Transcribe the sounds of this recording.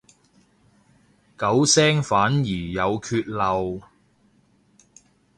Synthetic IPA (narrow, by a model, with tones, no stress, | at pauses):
kɐ˨˥wsɛː˥ŋfaː˨˥njiː˨˩jɐ˨˧wkʰyː˧t̚lɐ˨w